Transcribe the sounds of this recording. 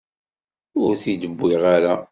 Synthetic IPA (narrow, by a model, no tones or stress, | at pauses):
ʊɾθid̪əbːiʁaɾa